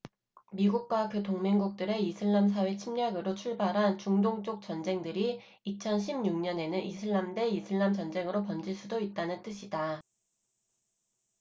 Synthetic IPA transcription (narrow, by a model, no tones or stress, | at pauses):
miɡuk̚k͈wakɯtoŋmeŋɡuk̚t͈ɯɾe̞isʰɯɭːams̬ʰawe̞t͡ɕʰimɲaɡɯɾot͡ɕʰuɭbaɾɦant͡ɕuŋdoŋt͡ɕ͈ok̚t͡ɕ͈ʌnd͡ʑe̞ŋdɯɾi | it͡ɕʰʌnɕʰimɲuŋɲʌne̞nɯnʔisʰɯɭːamde̞isʰɯɭːamt͡ɕʌnd͡ʑe̞ŋɯɾopʌnd͡ʑiɭs͈udoit̚t͈anɯnt͈ɯɕʰida